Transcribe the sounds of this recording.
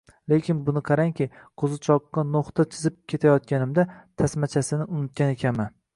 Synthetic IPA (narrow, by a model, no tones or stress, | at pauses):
lekʲʰɪnbʊnɪqʰɑɾaŋkʲɪqʰozɪt͡ʃʰɒqːɑnoχt̪at͡ʃʰɪzɪp̚kʲʰe̞t̪ʰajɒt̪̚kʲanɪmd̪at̪ʰasmat͡ʃʰasɪnɪʔʊnɪt̪̚ɡʲanekʲʰaman